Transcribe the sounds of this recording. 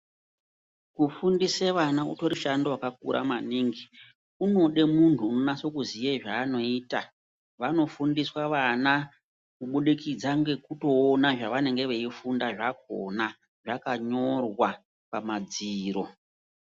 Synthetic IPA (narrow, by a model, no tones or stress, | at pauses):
kufundiseʋanaṵto̞ɾiʃandowakak̚ṵɾʔa̰maniːŋɡi | uno̞ɗe̞muntʰuːno̞naso̞kuzieʐaːno̞iːta | ʋano̞fundiswaʋana | kuɓuɗikid͡zaŋɡe̞kuto̞ːnaʐaʋane̞ŋɡe̞ʋeifundaʐak̚o̰na | ʐakaɲo̞rwa | pamad͡ziːɾo̞